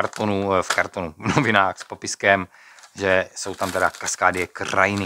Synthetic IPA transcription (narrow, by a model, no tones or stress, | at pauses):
aɾt̪onufkaɾt̪onuvnoovɪnaːxspopɪskɛm | ʒɛso̞wt̪amt̪ɛdakaskaːdɪjɛkra̰jɪnɪ